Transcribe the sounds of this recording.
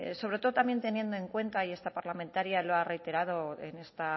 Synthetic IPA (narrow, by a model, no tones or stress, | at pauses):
so̞β̞ɾe̞t̪o̞ðot̪ambje̞nt̪e̞nje̞nd̪o̞e̞ŋkwe̞nt̪aie̞st̪apaɾlamẽnt̪aɾjaloare̞jt̪e̞ɾað̞o̞ḛne̞st̪a